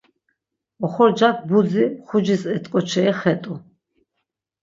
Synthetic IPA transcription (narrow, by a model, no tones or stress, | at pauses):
ɔχɔɾd͡ʒak̚ʰbud͡ziχud͡ʒisɛt̪ʼqʼɔt͡ʃʰɛɛχɛt̪ʼu